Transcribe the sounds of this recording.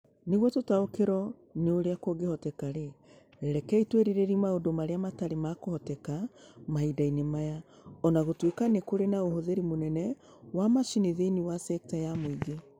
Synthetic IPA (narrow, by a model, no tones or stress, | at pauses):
neɣwɔtotaokeɾɔ | neoɾeakwoɡehɔtɛkaɾe | ɾɛkɛitweɾeɾeɾimaodomaɾeamataɾemakohɔtɛkamaidainemaja | ɔnaɣotwekanekoɾenaoɦoðeɾimonɛnɛ | wamaʃineðeiniwasɛk̚tajamoiɡe